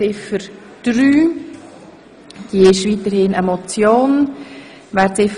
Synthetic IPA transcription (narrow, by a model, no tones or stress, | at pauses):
ɪfəɾ | d̥ɾyː | d̥iəɪʃviːtəɾhɪnɛmɔt͡sjoːn | ʋɛːɾtt͡sɪf